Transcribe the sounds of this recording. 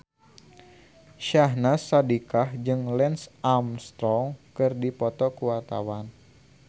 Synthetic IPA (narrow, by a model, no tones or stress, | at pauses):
ʃaɦnasadikahd͡ʒɨŋlɛnsamst̪ɾɔŋkɨrdipɔt̪ɔkuwart̪a̰wan